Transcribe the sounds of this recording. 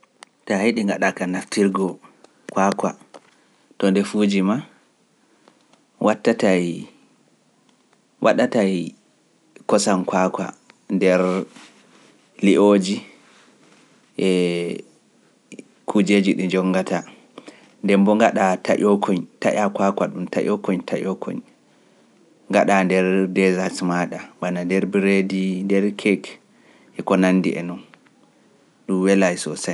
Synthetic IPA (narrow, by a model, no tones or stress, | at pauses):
tahiɗiŋɡaɗakanaftiɾɡɔ | kwakwa̰ | tɔndɛfud͡ʒima | wʔatːataj | wʔa̰ɗataj | kɔsankwakwa̰ndɛɾ | liʔoːd͡ʒi | ʔɛ | kʰud͡ʒed͡ʒiɗud͡ʒɔŋːɡata | ndɛmbɔŋɡaɗata̰ʔɔkʰɔɲta̰ʔakakwaɗumta̰ʔɔkɔɲtʰaʔɔkʰɔ̰ɲ | ŋɡaɗandɛɾdɛzasmaɗaɓanandɛɾbiɾedindɛɾkʰɛk | ʔɛkɔnanːdḭɛ̰nun | ɗuwɛlajsɔsa